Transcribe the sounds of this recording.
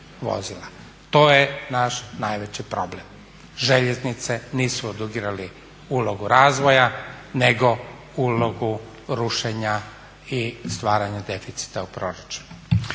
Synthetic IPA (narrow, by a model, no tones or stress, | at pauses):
ʋo̰zila | t̪o̞ːjenaʃnajʋet͡ɕipɾo̞blem | ʒeʎeznit̪seniːsuod̪uɡiːɾali | uːlˠo̞ɡuɾaːzʋo̞janeɡo̞ | uːlˠo̞ɡu | ɾuʃeɲa | ist̪ʋaːɾaɲad̪e̞fit̪si̥t̪aupɾo̞ɾat͡ʃu̥nu